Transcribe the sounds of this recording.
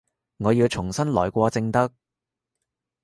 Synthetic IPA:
ŋɔː˨˧jiː˧wt͡sʰʊ˨˩ŋsɐ˥nlɔː˨˩jkʷɔː˧t͡sɪ˧ŋt̪ɐ˥k̚

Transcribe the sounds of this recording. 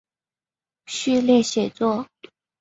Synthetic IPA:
ɕy˥˧ljɛ˥˩ɕjɛ˨˩t͡swɔ˥˩

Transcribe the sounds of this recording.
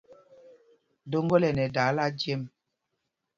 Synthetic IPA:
do˦ŋɡɔ˦lɛ˨nɛ˨da˨˦la˦d͡ʒje˦m

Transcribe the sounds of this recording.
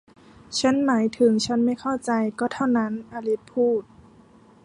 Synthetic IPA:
t͡ɕʰa˦˥˨nmaː˩˦jt̪ʰɯ˩˦ŋt͡ɕʰa˦˥nma˥˩jkʰa˥˩wt͡ɕa˧jkɔː˥˩t̪ʰa˥˩wna˦˥˨nʔa˧li˦˥t̪̚pʰuː˥˩t̪̚

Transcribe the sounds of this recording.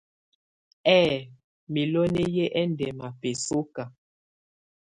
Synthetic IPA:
ɛː˦˨ | mi˨lo˦ne˦je˦ʔɛ˦ndɛ˨ma˨pe˨so˦ka˨

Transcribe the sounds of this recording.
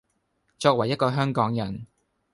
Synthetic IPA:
t͡ʃɔː˧k̚wɐ˨˩jɐ˥t̚kɔː˧ɦœː˥ŋkɔː˨˥ŋjɐ˨˩n

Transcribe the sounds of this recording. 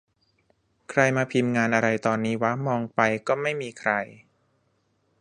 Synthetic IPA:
kʰɾa˧jmaː˧pʰi˧mŋaː˧nʔa˧ɾa˧jt̪ɔː˧nːiː˦˥wa˦˥mɔː˧ŋpa˧jkɔː˥˩ma˥˩jmiː˧kʰɾa˧j

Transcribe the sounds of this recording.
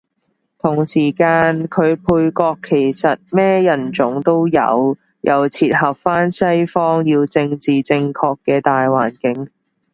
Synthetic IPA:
t̪ʰʊ˨˩ŋsiː˨˩kaː˧nkʰɵ˨˧ɥpʰuː˧jkɔː˧kʰːe˨˩jsɐ˨t̚mɛː˥jɐ˨˩nt͡sʊ˨˥ŋt̪o˥wjɐ̰˨˧w | jʔɐ˨wt͡sʰiː˧t̚hɐ˨p̚faː˥nsɐ˥jfɔː˥ŋjiː˧wt͡sɪ˧ŋt͡siː˨t͡sɪ˧ŋkʰɔː˧kːɛː˧t̪aː˨jwaː˨˩nkɪ˨˥ŋ

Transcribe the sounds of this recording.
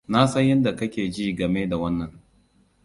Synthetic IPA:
na˦sɐ˦ɲjɐ˦nda˨kɐ˦kʲeː˨d͡ʒiː˦ɡɐ˨meː˦da˨wɐ˦nːɐ˨ŋ

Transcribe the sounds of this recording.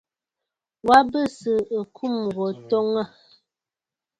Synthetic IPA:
wa˦bə˦sə˨ə˨kʰu˦˨m˨ɡo˨tɔ˦ŋə˦˨

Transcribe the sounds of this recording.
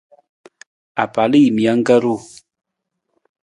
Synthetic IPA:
a̰˨pa˨li˦i˨mi˨a˨˦ŋ˦ɡə˦ɾu˦˨

